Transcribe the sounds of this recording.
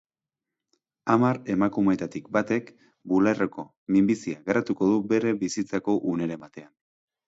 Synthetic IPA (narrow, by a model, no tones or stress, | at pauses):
amaɾe̞makume̞t̪at̪ikbat̪e̞k | bularoko̞ | mimbisiaɣeɾat̪uko̞ð̞ube̞ɾe̞βisit͡sako̞ʔune̞ɾemat̪e̞an